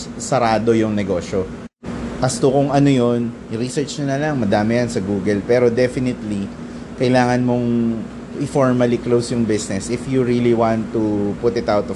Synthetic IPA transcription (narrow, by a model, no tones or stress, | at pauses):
sɐɾaːd̪o̞jʊŋnɛɡo̞ːʃo | ʔɐst̪okʊŋʔɐnojo̞n | ɾisɛɹt͡ʃnɐnɐlɐŋmɐd̪aːmɪjɐnsɐɡuːɡɛlpɛːɾo̞d̪ɛfɪnɪt̪li | kɐjlaːŋɐnmo̞ŋ | ʔɪfoɹmɐliklowsjʊŋbɪsnɛsʔɪfjuɹiliwãnt̪ːupʊt̪ɪt̪awt̪ɔ